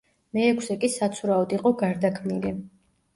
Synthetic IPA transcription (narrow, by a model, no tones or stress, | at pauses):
mɛɛkʰsɛkʼisat̪sʰuɾaɔd̪iqʼɔɡaɾd̪akʰmmili